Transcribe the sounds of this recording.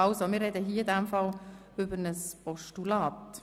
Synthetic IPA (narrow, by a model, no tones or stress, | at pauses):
ɑlsomɪɾrːɛdəɦiːɪdæmfɑl | ʏbəɾnəspɔʃtulɑːt